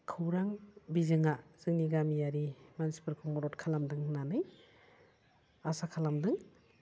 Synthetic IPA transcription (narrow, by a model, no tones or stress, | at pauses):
kʰɯwɾaŋbizɯŋaz̥ɯŋniɡamijaɾimansi̥pɯɾkʰumɔɾɔtkʰalamdɯŋnanɯj | asakʰalamdɯŋ